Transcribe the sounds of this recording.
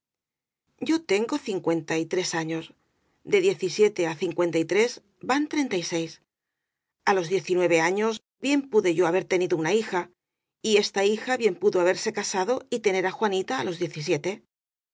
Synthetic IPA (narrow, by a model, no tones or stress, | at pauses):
ɟ͡ʝo̞t̪e̞ŋɡo̞θiŋkwe̞nt̪ait̪ɾe̞saɲo̞z | d̪e̞ðje̞θisje̞t̪e̞aθiŋkwe̞nt̪ajt̪ɾe̞z | bant̪ɾe̞nt̪ajse̞js | alo̞zðje̞θinwe̞β̞e̞aɲo̞z | bje̞mpuðe̞ʝo̞aβe̞ɾt̪e̞niðounaixa | ie̞st̪aixaβje̞mpuðoaβ̞e̞ɾse̞kasaðo̞it̪e̞ne̞ɾaxwanit̪aːlo̞zðjeθis̬je̞t̪e̞